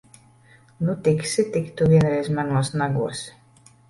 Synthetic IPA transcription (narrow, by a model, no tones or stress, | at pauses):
nut̪iksit̪ikt̪uviɛnɾɛjzmænluɔsnaɡuɔs